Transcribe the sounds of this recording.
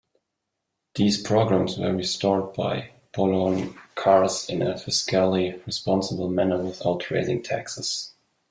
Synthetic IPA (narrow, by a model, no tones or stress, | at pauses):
ðiːzpʰɹ̥oʊɡɹæ̃mswə̰˞ɹistɔɹd̚baɪ | pʰɔlɔnkʰɑɹsɪ̃nəfɪskalˠiɹispɑ̃nsəbl̩ˠmænə˞wɪðaʊtʰɹ̥eɪzɪ̃ŋtʰæ̰ksəs